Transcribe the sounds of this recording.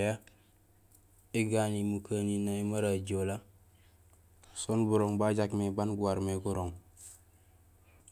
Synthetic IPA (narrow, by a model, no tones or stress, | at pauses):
ja | iɡanimukʰaninaimaɾaɟola | sonbuɾoŋbaɟakmebanɡuwaɾmeɡuɾoŋ